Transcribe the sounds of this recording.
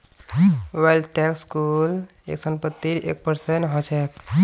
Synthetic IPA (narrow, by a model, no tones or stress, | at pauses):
walɖʈɛkskul | ḛksənpət̪ːiɾḛk̚pəɾsenɦɔt͡ʃʰek